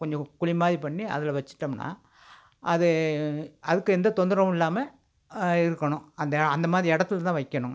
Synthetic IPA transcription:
kɔɲd͡ʒɔ̃kʊɭɪmaːðipɐɳːiɐ̰ðɪlʋɐt͡ʃːɯ̥ʈːɐmna̰ː | ʔɐðɯ | ɐðɯkːɯɛnd̪ɐt̪ɔnd̪ɯɾɐmɪlːaːmɐ | ɪɾɯkːɐɳʊ̃ɐnd̪ɐɐnd̪ɐmaːðɾiɛɽɐt̪ːɪlt̪ãːʋɐɪkːɐɳʊ̃

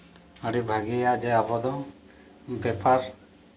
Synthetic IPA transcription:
aɽibʱaɡijad͡ʒɛabɔd̪ɔ | bɛpaɾ

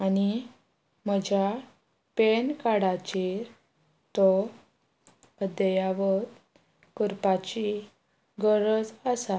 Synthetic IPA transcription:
ani | məd͡ʑa | penkaɽat͡ɕiɾ | t̪ɔ | əd̪əjaʋət̪ | kuɾpat͡ɕi | ɡəɾəd͡zəsa

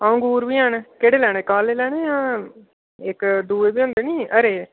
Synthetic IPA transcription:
aːõːɡuːɾʋiːɦənkeːɽeːlɛːɽ̃eːkaːleːlɛːɽ̃eːãː | ɪkd̪uːeːbiːoʊ̃ːnd̪eːniːəɾeː

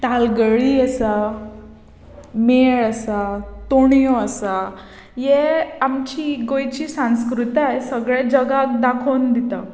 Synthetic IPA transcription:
t̪alɡəɭiɛsa | meɭasat̪oɳ̃joəsa | jeamt͡ɕiɡojt͡ɕiːsãñskɾut̪ajsəɡɭed͡ʑəɡak̚d̪akʰond̪it̪a

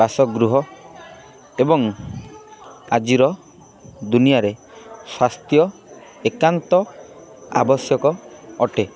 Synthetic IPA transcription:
basɔɡɾuɦɔ | ebɔŋ | ad͡ʒiɾɔ | d̪unijaɾe | swast̪jɔekant̪ɔ | a̰bɔsjɔkɔːʈe

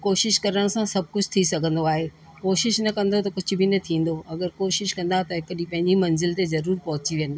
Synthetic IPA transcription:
koːʃɪʃkɐɾəɽ̃sãsɐb̚ʱkʊd͡ʑʱt̪ʰisɐɡʱə̃nd̪oaːɦeː | koːʃɪʃnɐkɐ̃n̆d̪ot̪ɐkʊd͡ʑʱʊ̆bʱinɐt̪ʰĩːn̆d̪oɐɡəɾkoːʃɪʃkɐ̃n̆d̪at̪ɐɦɪkɗipɐ̃ɦɪ̃ɲd͡ʑimɐ̃nzɪlt̪ezɐɾuːɾpɐɦʊt͡ɕiʋiə̃nd̪aː

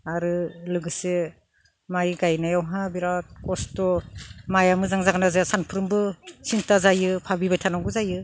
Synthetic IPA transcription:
aɾɯlɯɡɯse | majɡajnajawɦabiɾat̚kɔstɔmajamɯzaŋzaɡɯnazasanpʰɯɾɯmbɯsintazajɯpʰabibajtʰanaɡɯzajɯ

